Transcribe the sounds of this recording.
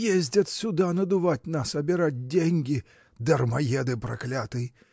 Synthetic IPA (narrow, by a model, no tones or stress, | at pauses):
jezʲdʲɐt̪sʲʊd̪anɐd̪ʊvat̚ʲnasɐbʲɪɾat̚ʲdʲenʲɡʲɪ | d̪ɐrmɐjed̪ɨpɾɐ̰klʲat̪ɨj